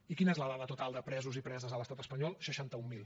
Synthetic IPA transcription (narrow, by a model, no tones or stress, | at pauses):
ikinəezləðaβət̪ut̪alˠd̪əpɾɛzuzipɾɛzəzələst̪at̪əspəɲɔlˠʃəʃant̪əumːilˠ